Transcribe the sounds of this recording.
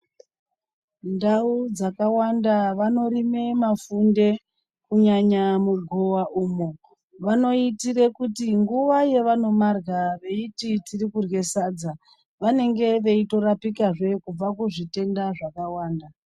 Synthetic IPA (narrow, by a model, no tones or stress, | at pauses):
ndaud͡zakawandaʋano̞ɾime̞mafunde̞ | kuɲaɲamuɡʱowaʔuːmo | ʋano̞itiɾe̞kutiŋɡuʋaje̞ʋano̞marɣaʋe̞ititirikurwe̞sad͡za | ʋane̞ŋɡe̞ʋe̞ito̞ɾapikaʐe̞kub͡vakuʐite̞ndaʐakawaːnda